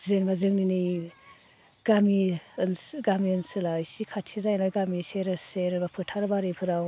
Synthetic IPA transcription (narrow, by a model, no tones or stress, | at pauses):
zenbazɯŋnini | ɡ̥aminɡamiɯnsɯlasikʰatʰizajnaɡamiseɾɯseɾɯbapʰɯtʰaɾɯbaɾepʰɯɾaw